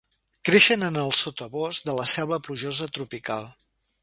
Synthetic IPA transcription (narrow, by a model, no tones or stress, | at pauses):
kɾeʃənənəlˠsot̪əβozðələsɛlβləpluʒozət̪ɾupika̰lˠ